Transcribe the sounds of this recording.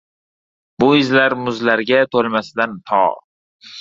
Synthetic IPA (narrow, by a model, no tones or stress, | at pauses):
bʊɪzlaɾmʊzlaɾɡʲat̪ʰolˠmasɪd̪ant̪ʰɒ̰